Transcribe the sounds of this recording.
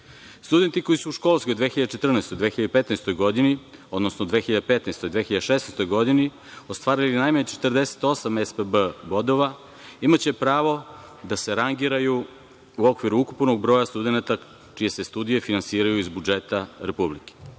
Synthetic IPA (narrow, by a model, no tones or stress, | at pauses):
st̪ud̪ent̪iko̞isuuʃko̞lskojd̪ʋexiʎad̪t͡ʃet̪r̩nast̪ojd̪ʋeːxiʎad̪epet̪nest̪o̞jɡo̞d̪inio̞d̪nosnod̪ʋexiʎad̪epet̪nest̪ojd̪ʋeːxiʎad̪ʃesneːst̪o̞jɡo̞d̪ini | o̞st̪ʋaːɾilinajmaɲet͡ʃet̪rd̪e̞se̥t̪o̞samespəbəbo̞d̪o̞ʋa | imat͡ɕepɾaːʋo̞ | d̪ase̞ɾaŋɡiɾaju | uo̞kʋiɾuukupno̞ɡbɾo̞jast̪ud̪enat̪a | t͡ʃije̞sest̪ud̪ije̞finansiːɾajuizbud͡ʒet̪aɾepublike̥